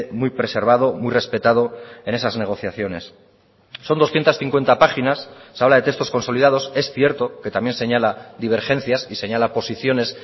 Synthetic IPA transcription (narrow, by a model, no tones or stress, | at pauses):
mujpɾe̞se̞ɾβað̞o̞mujre̞spe̞t̪að̞o̞e̞ne̞sazne̞ɣ̞o̞θjaθjo̞ne̞sː | o̞nd̪o̞sθjent̪asθiŋkwent̪apaχinasːaβlaðe̞t̪e̞st̪o̞sko̞nso̞liðað̞o̞se̞sθje̞ɾt̪o̞ke̞t̪amje̞nse̞ɲalad̪iβ̞e̞ɾxe̞n̟θjasise̞ɲalapo̞siθjo̞ne̞s